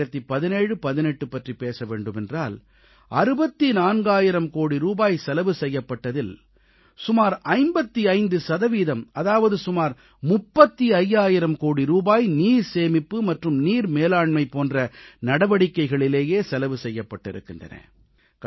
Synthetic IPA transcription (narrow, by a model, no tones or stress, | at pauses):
ɐt̪ːipɐðɪneːɻɯpɐðɪnɛʈːɯpːɐʈripeːsɐʋeːɳɖɯmɛndraːl | ʔɐɾɯbɐt̪ːinaːnɡaːjɪɾɐmkoːɽiɾuːbaːjsɛlɐʋɯsɛjːɐpːɐʈːɐðɪl | sʊmaːɾɐɪmbɐt̪ːiɐɪnd̪ɯsɐðɐʋiːðɐmɐðaːʋɐðɯsʊmaːɾ | mʊpːɐt̪ːiɐjːaːjɪɾɐmkoːɽiɾuːbaːjniːɾseːmɪpːɯmɐʈrɯmniːɾmeːlaːɳmɐɪpoːndrɐnɐɽɐʋɐɽɪkːɐɪɣɐɭɪleːjeːsɛlɐʋɯsɛjːɐpːɐʈːɪ̰ɾɯ̰kːɪndrɐ̰nɐ̰